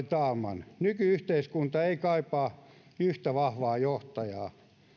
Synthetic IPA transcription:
t̪ɑːmɑ̰nnykyyht̪eiskunt̪ɑeikɑipɑː | yht̪æʋɑhʋɑːjoht̪ɑjɑː

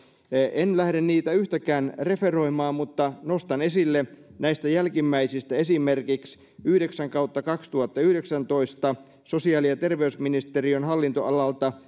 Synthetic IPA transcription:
ʔenlæhɾenniːt̪æyht̪ækæːnre̞feroimɑːmmut̪ːɑnost̪ɑne̞silːenæist̪æjælkimːæisist̪æe̞simerkiks | yhdeksæŋkɑut̪ːɑkɑkst̪uhɑt̪ːɑyhdeksænt̪o̞ist̪ɑ | so̞siɑːlijɑt̪e̞rʋeysminist̪erionɦɑlːint̪o̰ʔɑlɑlt̪ɑ

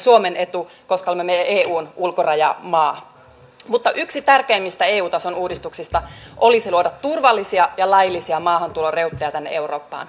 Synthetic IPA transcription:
suomene̞t̪u | koskɑlmemeʔeːuːnulkorɑjɑ̰mɑː | mut̪ːɑʔyksit̪ærkeːmːist̪æeːuːt̪ɑso̞nuːdist̪uksist̪ɑʔolisiluodɑt̪turʋɑlːisiɑjɑlɑjilːisiɑmɑːɦɑnt̪uloreut̪ːejɑt̪ænːḛʔe̞uro̞̰ːpːɑ̰ːn

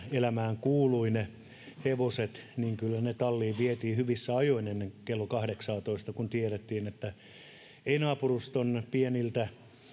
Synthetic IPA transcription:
elæmæːŋkuːluine | heʋoset̪niːŋkylːænet̪ɑlːiːʋiet̪iːhyʋisːæɑjoinenːeŋkelːokɑhdeksɑːt̪oist̪ɑkunt̪ieɾet̪ːiːnet̪ːæ | einɑːpurust̪onpienilt̪æ

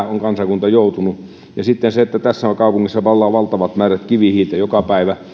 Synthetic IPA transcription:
oŋkɑnsɑkunt̪ɑjoˑut̪unu | jɑsit̪ːenseet̪ːæt̪æsːæokɑˑupuŋːisːɑʋɑlːɑːʋɑlt̪ɑʋɑt̪mæːræt̪kiʋihiːlt̪æjokɑpæˑiʋæ

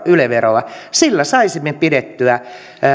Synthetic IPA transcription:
yleʋeroɑsilːæsɑisimːepidet̪ːyæ

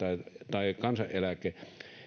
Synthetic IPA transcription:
ɑit̪ɑikɑnsɑʔʔelækːˑe

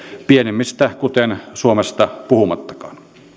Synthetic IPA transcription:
pienemːist̪ækut̪ensuomest̪ɑpuhumɑt̪ːɑ̥kɑ̥̰ːn

